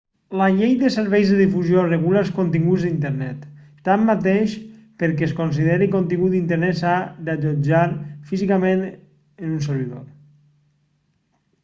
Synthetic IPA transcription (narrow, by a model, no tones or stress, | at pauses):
laʎejd̪əseɾβɛjzðəðifuzjorəɣulalˠskont̪iŋɡuzðd̪int̪əɾnɛt̪ː | amːat̪eʃpəɾkɛskons̬iðeɾikont̪iŋɡut̪int̪əɾnɛsad̪aʎod͡ʒaɾfizikamen | enunsəɾβ̞iðo̰ɾ